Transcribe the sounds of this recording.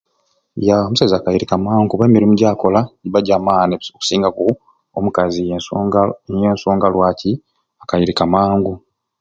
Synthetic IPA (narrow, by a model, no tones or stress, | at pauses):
jaomusazaːkajiɾikamaːŋɡuβeːmiɾimuɟaːko̞laɟiβaɟaːmaːneoku̥siːŋɡaku | omukazi | jeːnso̞ːŋɡalwaːcʰi | akajiɾikamaːŋɡu